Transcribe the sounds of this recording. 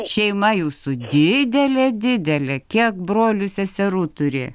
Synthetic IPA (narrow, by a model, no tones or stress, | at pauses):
ʃʲɛɪmɐjuːsʊd̪ʲɪd̪ʲɛlʲɛd̪ʲɪd̪ʲɛlʲɛkʲiɛkbɾoːlʲʊsʲɛsʲɛɾuːt̪ʊɾʲḛː